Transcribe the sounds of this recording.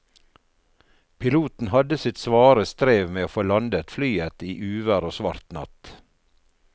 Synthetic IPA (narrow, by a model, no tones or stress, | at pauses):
pʰɪluːt̪n̩hɑd̪əsɪt̪sʋɑːɾəst̪ɾeːʋmeːoːfoːlɑnd̪ət̪flyːət̪iːʔʉːʋəɾoːsʋɑɾt̪nɑ̰t̪